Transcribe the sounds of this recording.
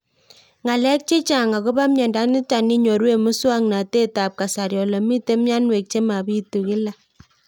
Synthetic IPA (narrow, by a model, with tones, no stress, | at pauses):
ŋa˨lɛ˦k̚t͡ʃe˦t͡ʃa˨ŋa˨ko˦ba˦mjɛ˨nda˦nɪ˦ta˨ni˦ɲɔ˨ɾwe˦mʊ˦swa˦ŋna˨te˦ta˨p̚ka˨sa˨ɾjɔ˨la˨mi˦te˦mja˦nwe˨k̚t͡ʃe˦ma˨bi˦tu˨kɪ˦la˨